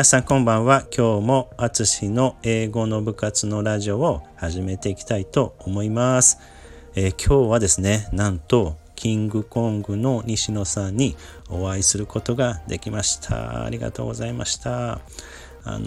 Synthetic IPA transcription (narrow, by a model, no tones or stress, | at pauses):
minasãŋkõ̞mbãɰ̃βakʲʰo̞ːmo̞at͡sɨɕino̞e̞ːɡo̞no̞bɯ̟kat͡sɨno̞ɾaʑio̞ːhaʑime̞t̪e̞ikʲi̥t̪ait̪o̞omo̞imasɨ̥ | ekʲʰo̞ːβad̪e̞sɨne̞nãnt̪o̞ | kʲʰĩŋɡɯ̟kõ̞ŋɡɯ̟no̞ɲ̟iɕino̞sãɲ̟ːi | oβaisɨɾɯ̟ko̞t̪o̞ɡad̪e̞kʲimaɕi̥t̪ʰa̰a̰ɾʲiɡa̰t̪o̞ːɡo̞zaima̰ɕi̥t̪a | a̰n